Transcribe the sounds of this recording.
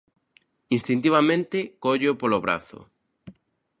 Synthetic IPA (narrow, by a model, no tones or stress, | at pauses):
inst̪int̪̬iβamẽnt̪ekoʎopoloβɾa̰θo̰